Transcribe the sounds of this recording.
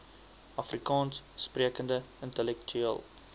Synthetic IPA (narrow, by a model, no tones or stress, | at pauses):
ʔɐfrikɑːnsspriəkəndəəntəlɛktʰyḭəlˠ